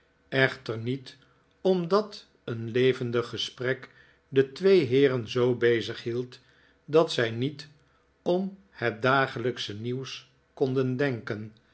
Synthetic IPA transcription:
ɛχtəɹnit | ɔmdɑt | ənlejvəndəχəsprɛk | dətʋejɦɪːrənzowbejzəχɦilˠt | dɑtsɛjnit | ɔm | hɛt̚daːχələksəniws | kɔndəndɛŋkən

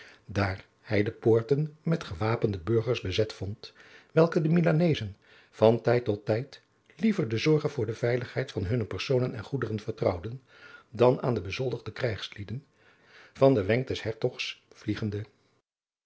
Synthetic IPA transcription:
daːɹ | hɛjdəpʊːɹtənmɛtχəʋaːpəndəbɵɹχəɹzbəzɛtfɔntʋɛlˠkədəmilanejzən | v̥ɑntɛjtːɔtːɛjt | livəɹdəzɔɹχənvʊːɹdəv̥ɛjləχɦɛjtfɑnɦɵnəpɛɹsownənɛ̰nχudərənvəɹtrʌwdən | dɑna̰ːndəbəzɔlˠdəʁdəkrɛjχslidən | v̥ɑndəʋɛŋk̚dɛshɛɹtɔχsvliχəndə

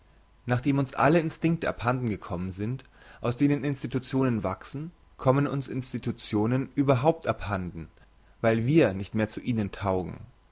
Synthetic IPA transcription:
naːχd̥eːmʊnsʔa̰ləɪnstɪŋk̚təʔa̰phandn̩ɡəkʰɔmənzɪnt | ʔaʊsd̥eːnənɪnstitut͡sjoːnənvaksn̩ | kʰɔmənʊnsʔɪ̰nstitut͡sjoːnənʔyːbɐɦaʊp̚tʔaphandn̩ | vaɪlviːɐnɪçtmeːɐt͡suʔiːnəntʰaʊɡŋ̩

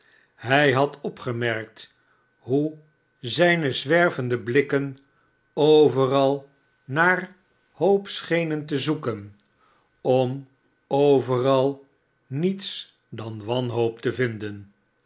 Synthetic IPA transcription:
ɦɛjɦɑtʰɔpχəmɛɹk̚t | ɦu | zɛjnəzʋɛɹvəndəblɪkən | owvərɑlˠ | naːr | howpsχejnəntəzukən | ɔm | owvərɑlˠ | nits | dɑnʋɑnɦowp̚təvɪndən

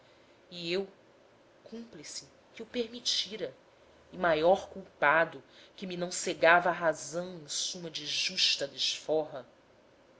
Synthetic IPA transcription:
iew | kũmplisɪ | kɪupeɾmit͡ʃiɾɐ | ɪmajɔɾkuwpad̪ʊkɪminɐ̃w̃seɡavɐːɦazɐ̃w̃ẽj̃sũmɐd͡ʒɪʒuʃt̪ɐd̪eʃfɔɦɐ

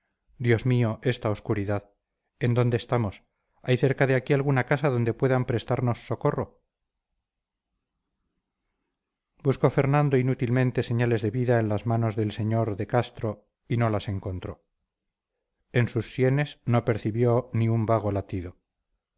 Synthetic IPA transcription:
d̪jo̞zmio̞ʔe̞st̪aoskuɾiðað | e̞nd̪o̞nd̪eːst̪amo̞s | ajθe̞ɾkaðe̞akialɣunakasaðo̞nd̪e̞pwe̞ðampɾe̞st̪aɾno̞sːo̞ko̞ro | busko̞fe̞ɾnãnd̪o̞inut̪ilmẽnt̪e̞se̞ɲale̞zðe̞βiðaenlazmano̞zðe̞lse̞ɲo̞ɾðe̞kast̪ɾo̞ | ino̞lase̞ŋkont̪ɾo̞ | e̞nsusːje̞ne̞snope̞ɾθiβjo̞niumbaɣ̞o̞lat̪iðo̞

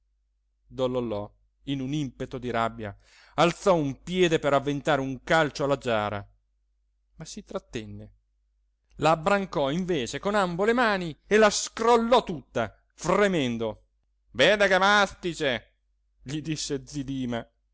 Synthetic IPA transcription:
d̪olːolːɔ | inunimpet̪od̪iɾabːja̰ | alt̪sɔumpjɛːd̪epeɾavːent̪aːɾeuŋkalt͡ʃoalːad͡ʒaːɾa̰ | masit̪ɾat̪ːɛnːe | laːbːɾaŋkɔiɱveːt͡ʃekonambolemaːnielaskrolːɔt̪ːut̪ːa | fremɛnd̪o | vɛːd̪ekemast̪it͡ʃe | ʎid̪isːed̪zid̪iːma

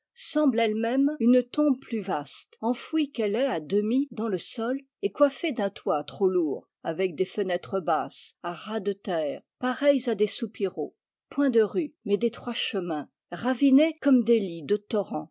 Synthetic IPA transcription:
sɑ̃blɛlmɛmynt̪ɔ̃bplyvast̪ɑ̃fwikɛlɛad̪əmid̪ɑ̃ləsɔl | ekwafed̪ɛ̃t̪wat̪χoluːʁ | avɛk̚d̪efənɛt̪χəbasaʁad̪ət̪ɛːʁpaʁɛjzad̪esupiʁo | pwɛ̃d̪əʁymɛd̪et̪χwaʃəmɛ̃ | ʁavinekɔmd̪elid̪ət̪ɔʁɑ̃

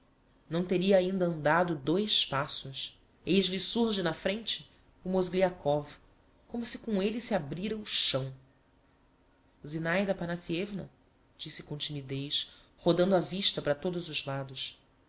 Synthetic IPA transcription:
nɐ̃w̃t̪eɾiɐːĩnd̪ɐɐ̃nd̪ad̪ʊd̪ojspasʊs | ejʒlisuɾʒɪnɐfɾẽnt͡ʃɪ̥ | umozɡliakɔv | kõmʊsɪkõelisiabɾiɾɐuʃɐ̃w̃ | zinajd̪ɐpanasievnɐ̰ | d͡ʒisɪkõt͡ʃimid̪ejʃhod̪ɐ̃nd̪ʊaviʃt̪ɐpɾɐt̪od̪ʊzʊzlad̪ʊʃ

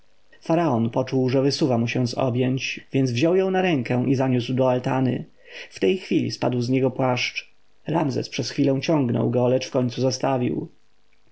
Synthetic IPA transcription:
faɾaɔnpɔt͡ʂuwʐɛvɘsuvamuɕɛw̃sɔ̰bʲjɛɲt͡ɕvʲjɛnd̪zvʑɔwjɔ̃w̃naɾɛŋkɛ̃ʔizaɲuswd̪ɔalt̪anɘ̰ | ft̪ɛjxfʲilʲḭspa̰d̪wzɲɛɡɔpwaʂt͡ʂ | ɾamzɛ̰spʂɛsxfʲilɛ̃w̃t͡ɕɔ̃ŋɡnɔ̰wɡɔlɛt͡ʂfkɔɲʲt̪suzast̪avʲḭw

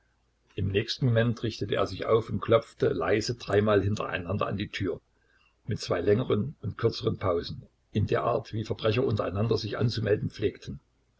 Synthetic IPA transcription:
ʔɪmnɛːçstn̩momɛntʁɪçtətəʔḛːɐzɪçʔa̰ʊfʊntkʰl̥ɔp͡ftəla̰ɪzədʁaɪmaːlɦɪntʰɐ̰ʔa̰ɪnandɐ̰a̰ndiːtʰyːɐ | mɪtt͡sv̥aɪlɛŋəʁənʊnt̚kʰʏɐt͡səʁənpʰaʊzn̩ | ʔɪndeːɐʔa̰ːɐtv̥iːfɐbʁɛç̬ɐʔʊntɐʔaɪnandɐzɪçʔa̰nt͡sumɛldn̩p͡fleːktʰn̩

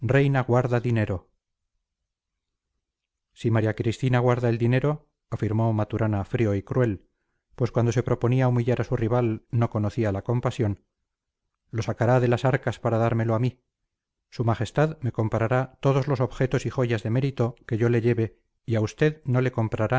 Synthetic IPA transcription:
re̞jnaɣwaɾðaðine̞ɾo̞ | simaɾjakɾist̪inaɣwaɾðaeld̪ine̞ɾo | afiɾmo̞mat̪uɾʔanafɾio̞ikɾwe̞l | pwe̞skwand̪o̞se̞pɾo̞po̞niaumiʎaɾasuriβalno̞ko̞noθialako̞mpasjo̞n | lo̞sakaɾaðe̞lasaɾkaspaɾaðaɾme̞loami | sumaχe̞st̪aðme̞ko̞mpaɾaɾat̪o̞ðo̞zlo̞so̞βxe̞t̪o̞sixo̞ʝazðe̞meɾit̪o̞ke̞ʝo̞le̞ʝe̞βe̞ | iaust̪e̞ðno̞le̞ko̞mpɾaɾa

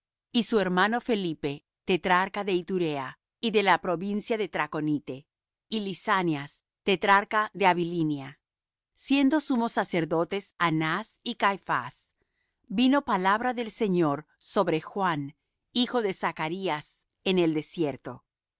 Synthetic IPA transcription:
isue̞ɾmano̞fe̞lipe̞ | t̪et̪ɾaɾkaðe̞it̪uɾea | iðe̞lapɾo̞βinsjaðe̞t̪ɾako̞nit̪e̞ | ilisanjas | t̪e̞t̪ɾaɾkaðe̞aβilinja | sje̞nd̪o̞sumo̞sase̞ɾðo̞t̪e̞sanasikajfa̰s | bino̞palaβɾaðe̞lse̞ɲo̞ɾ | so̞βɾe̞xwan | ixo̞ðe̞sakaɾias | ene̞ld̪e̞sje̞ɾt̪o̞̰

